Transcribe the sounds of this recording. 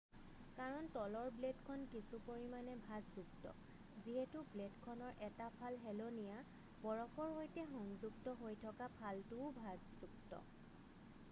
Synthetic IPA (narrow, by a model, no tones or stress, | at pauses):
kaɹɔntɔlɔɹbledkʰɔnkisupoɹimanɛbʱazzuktɔ̰ | ziɦɛtʊbledkʰɔnɔɹʔɛtapʰalɦɛlonija | bɔɹɔpʰɔɹɦojtɛxɔŋzuɡtɔɦojtʰɔkapʰaltʊʊbʱazzuktɔ̰